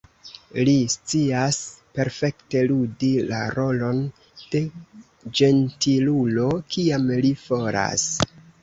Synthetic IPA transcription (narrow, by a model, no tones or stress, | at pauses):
list͡siaspe̞ɾfe̞kte̞ludilaɾo̞lo̞n | d̥e̞ | d͡ʒe̞ntilulo̞kiamlifo̞ɾa̰s